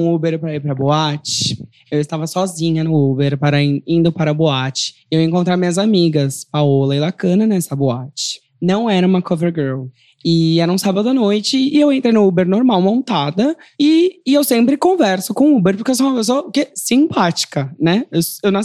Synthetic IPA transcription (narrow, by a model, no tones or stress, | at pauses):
ubeɾpɾɐiɾpɾɐboat͡ʃɪ̥ | ewɪst̪avɐsɔzĩɲɐnʊubeɾpaɾɐiĩnd̪ʊpaɾɐboat͡ʃɪ̥ewẽŋkõnt̪ɾavmĩɲɐzamiɡɐspaolɐɪlakɐ̃nɐnɛɛsɐboat͡ʃɪ̥ | nɐ̃w̃ɛɾɐũmɐkʰoveɾɡɜɾl | ɪɛɾɐũsabɐd̪ʊanojt͡ʃɪːewẽnt̪ɾej̃nʊubeɾnoɾmawmõnt̪ad̪ɐɪewsẽmpɾɪkõvɛɾsʊkõubeɾpʊɾkewsõũmɐpes̬oɐkesĩpat͡ʃi̥kɐnɛewewnɐ̃